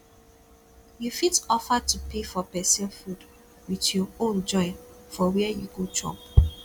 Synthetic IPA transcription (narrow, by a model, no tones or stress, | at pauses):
jufitɔfatupʰefɔpɛsɛfud | witjɔõnd͡ʒɔ̃ɪ̃nfɔwɛɛjuɡod͡ʒɹɔ̰̃p